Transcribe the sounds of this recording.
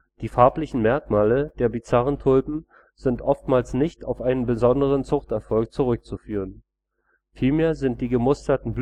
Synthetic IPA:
d̥iːfaɐplɪçn̩mɛɐkmaːləd̥eːɐbit͡saʁəntʰʊlbm̩ | z̥ɪntʔɔftmaːlsnɪçtaʊfʔaɪnənbəzɔndəʁ̞ənt͡sʊχtɛɐfɔlk̚t͡suʁ̞ʏk̚t͡sufyːʁ̞ən | fiːlmeːɐzɪnt̚d̥iːɡəmʊstɐtn̩b

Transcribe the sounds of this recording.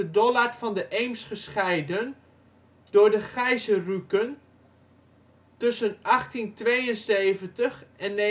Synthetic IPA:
ədɔlarfɑndəʔejmsχəsχɛjdən | d̥ʊːɹdəχɛjzərukən | tɵsənʔɑχtintʋejənsejvəntəχʔɛnːe

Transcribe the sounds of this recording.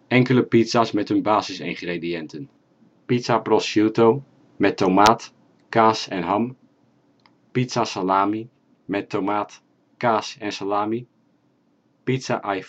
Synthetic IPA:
ʔɛŋkələpitsasmɛtɦɵnbaːzɪsɪ̰ŋχrediɛntən | pitsaprɔsjutow | mɛtomaːt | kaːsɛnɦɑm | pitsasalaːmi | mɛtomaːt | kaːsɛnsalaːmi | pitsaʔaj

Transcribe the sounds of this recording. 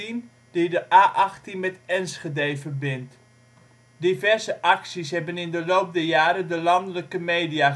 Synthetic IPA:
in | d̥idəʔaːʔɑχtinmɛtɛnsχedejvərbɪnt | divɛrzəʔɑksisɦɛbənɪndəlowp̚dəjaːɾədəlɑndələkəmejdija

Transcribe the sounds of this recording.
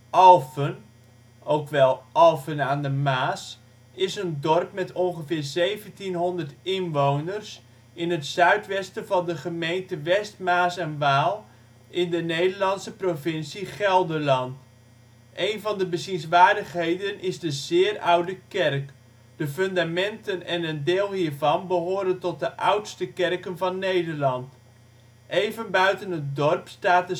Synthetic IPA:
ʔɑlˠfən | owkʋɛlˠʔɑlˠfənaːndəmaːs | ɪsəndɔrpmɛtɔnχəvɪːɹzejvəntinɦɔndəɹtɪnʋownərs | ɪnɦətsœɥtʋɛstəvɑndəχəmejntəʋɛstmaːsɛnʋaːlˠ | ʔɪndənejdəɹlɑnsəprovɪnsiχɛlˠdəɹlɑnt | ʔejnvɑndəbəzinsʋaːɹdəχɦejdənɪzdəzɪːrʌwdəkɛrk | d̥əføndamɛntənɛnəndeːlˠɦiːɹvɑnbəɦoːɾəntɔt̚dəʔʌwtstəkɛrkənvɑnːejdəɹlɑnt | ʔejvənbœɥtənət̚dɔrpstaːt̚ə

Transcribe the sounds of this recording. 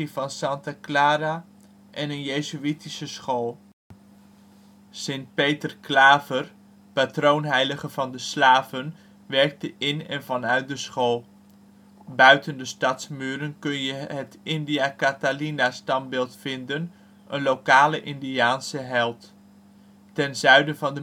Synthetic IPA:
ivɑnsɑntaklaːɾa | ʔɛnənjejzyitisəsχolˠ | sɪnt̚pejtərklaːvər | patrownɦɛjləχəvɑndəslaːvən | ʋɛɹk̚təʔɪnɛnvɑnœɥt̚dəsχolˠ | bœɥtəndəstɑtsmyːɾənkɵnjəɦətɪndiakatalinastɑmbɪːlˠtfɪndən | ʔənlowkaːləʔɪndiaːnsəɦɛlˠtː | ɛnzœɥdəvɑndə

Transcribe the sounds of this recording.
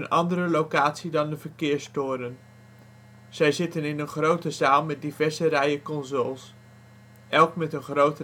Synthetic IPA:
ənɑndərəlowkaːtsidɑndəvəɹkɪːɹstʊːɾən | z̥ɛjzɪtənɪnənχrowtəzaːlˠmɛt̚divɛɹzərɛjəkɔnzolˠs | ʔɛlˠkmɛtənχrowtə

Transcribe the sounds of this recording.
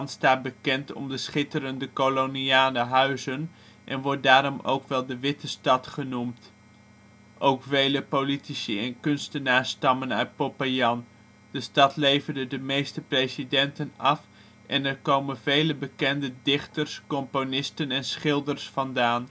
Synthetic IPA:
nstaːt̚bəkɛntɔ̰mdəsχɪtəɾəndəkoloniaːləɦœɥzən | ʔɛ̰nʋɔɹt̚daːɾɔmo̰wkʋɛlˠdəʋɪtəstɑtχənumt | ʔowkfejləpolitisəɛnkɵnstənaːɹstɑmənœ̰ɥt̚popajɑn | dəstɑtlejvərdədəmejstəprejsidɛntənɑf | ʔɛnɛɹkowmənvejləbəkɛndədɪχtərskɔmponɪstənɛnsχɪlˠdərsfɑndaːn

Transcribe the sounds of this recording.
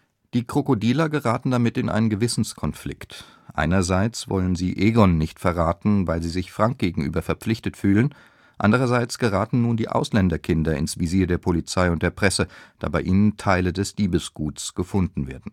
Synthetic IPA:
d̥iːkʁ̥okodiːlɐɡəʁaːtn̩damɪtɪnʔa̰ɪnənɡəvɪsn̩skʰɔnflɪ̰kt | ʔa̰ɪnɐzaɪt͡sv̥ɔ̰lənzḭːʔeːɡɔnːɪçtfɛɐʁaːtn̩vaɪlziːzɪçfʁ̥aŋk̚ɡ̥eːɡŋ̩ʔy̰ːbɐfɛɐpp͡flɪçtətfyːlən | ʔa̰ndəʁ̞ɐzaɪt͡sɡ̥əʁaːtn̩nuːndiːʔa̰ʊslɛndɐkʰɪndɐɪ̰nsv̥iziːɐdeːɐpʰolit͡saɪʊnt̚d̥eːɐpʁ̥ɛsəd̥a̰ːbaɪʔiːnəntʰaɪlədɛsl̥iːbəsɡ̥uːtsɡ̥əfʊndn̩vḛːɐdn̩

